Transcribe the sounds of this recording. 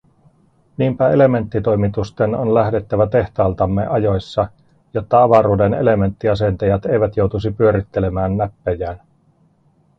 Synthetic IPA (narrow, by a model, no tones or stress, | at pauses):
niːmpæe̞le̞me̞nt̪ːit̪o̞jmit̪ust̪eno̞nlæhde̞t̪ːæʋæt̪e̞ht̪ɑːlt̪ɑmːe̞̰ʔɑjo̞jsːɑ | jo̞t̪ːɑɑʋɑɾuːde̞nḛle̞me̞nt̪ːiɑse̞nt̪ɑjɑt̪e̞jʋæt̪jo̞wt̪usipyøɾit̪ːe̞le̞mæːnːæpːæjæːn